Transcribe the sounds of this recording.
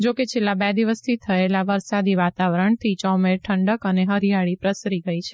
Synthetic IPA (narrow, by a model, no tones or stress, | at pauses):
d͡ʒoket͡ʃʰelːãbɛd̪iʋəst̪ʰit̪ʰəelaʋəɾsad̪iʋat̪aʋəɾəɳt̪ʰit͡ʃɔmeɾʈʰəɳɖəkəneɦəɾijaɭipɾəsɾiɡəit͡ʃʰe